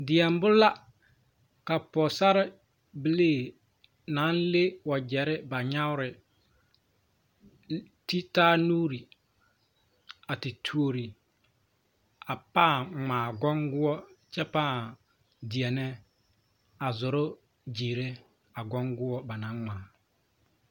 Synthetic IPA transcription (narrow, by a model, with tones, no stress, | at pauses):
dɪ˨ɛ˨m˦bʊ˦la˦ | ka˨pɔ˨sa˦ɾɪ˦ | bɪ˦leː˦˨ | na˨˦nle˦wɔ˨d͡ʒɛ˨ɾɪ˦ba˨ɲa˦wɾɪ˨ | ti˦taː˦nuː˦ɾi˨ | a˨tɪ˨tʰu˦o˨ɾi˨ | a˨paː˦˨ŋ͡mãː˨ɡɔ˦ŋɡʊ˦ɔ˦t͡ʃɛ˦paː˦˨ | di˨ɛ˨nɛ˦ | a˨zʊ˨ɾʊ˦ | d͡ʒiː˨ɾe˦ | a˨ɡɔ˦ŋɡʊ˦wɔ˦ba˨nã˨˦ŋŋaː˨